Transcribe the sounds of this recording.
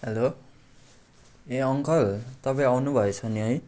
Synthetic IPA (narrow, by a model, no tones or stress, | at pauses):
ɦelo | eʌŋkʌlt̪ʌpʌj̃awnubʱʌet͡sʰʌnjʌj